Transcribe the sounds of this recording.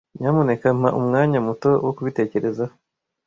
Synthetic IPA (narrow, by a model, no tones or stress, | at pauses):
ɲaːmone̞kam̥aʔumŋaːɲamuto̞wokuβite̞ːce̞ɾe̞za